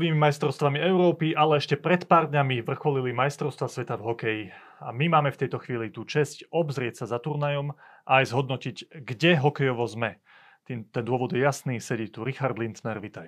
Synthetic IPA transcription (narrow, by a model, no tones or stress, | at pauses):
ʋiːmimajst̪ɾɔʊst̪ʋamiɛʊɾɔːpiʔalɛɛʃcɛpɾɛt̪paːɾd̪ɲamiʋr̩xɔlilimajst̪ɾɔʊst̪ʋasʋɛt̪avɦɔkɛji | amimaːmɛft̪ɛjt̪ɔxʋiːlit̪ut͡ʃɛscɔbzɾɪɛcsazat̪uɾnajɔmʔajzɦɔd̪nɔcicɡɟɛɦɔkɛjɔʋɔzmɛ | t̪it̪ɛnd̪ʊɔʋɔd̪jɛjasniːsɛɟɛt̪uɾixaɾd̪lint̪nɛɾʋit̪aj